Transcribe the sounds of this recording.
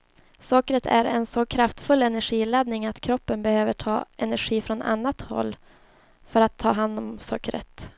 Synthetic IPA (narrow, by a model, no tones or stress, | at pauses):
sɔkɾət̪ʰæ̰ɾɛ̰nsɔkʰɾaft̪fɵlːɛnæɧiːlad̪nɪŋat̪kʰɾɔpːənbɛhøːvəʈʰɑ̰ːʔɛnæɾɧiːfɾɔna̰nːat̪hɔ̰lː | fœɾat̪ʰːɑːɦand̪ɔmsɔkːɾə̰t̪